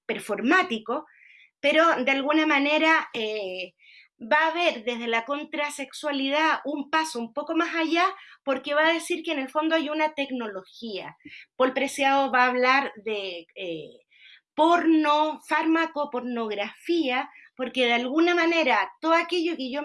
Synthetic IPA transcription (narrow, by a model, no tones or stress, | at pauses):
peɾfoɾmat̪iko | peɾod̪ealɣunamane̞ɾae | βaːβe̞ɾðe̞zðelako̞nt̪ɾase̞kswalið̞aumpasoumpo̞ko̞masaʝapo̞ɾkeβaːðe̞siɾkeːne̞lfo̞nd̪oajunat̪e̞kno̞lo̞xia̰polpɾesjaðoβaːβlaɾðee | poɾnofaɾmakopo̞ɾnoɣɾafiapo̞ɾkeðealɣunamane̞ɾat̪oðoake̞ʎokeʝo